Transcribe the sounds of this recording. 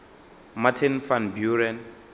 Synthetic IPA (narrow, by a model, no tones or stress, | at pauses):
matʰinfanbjuɾɛn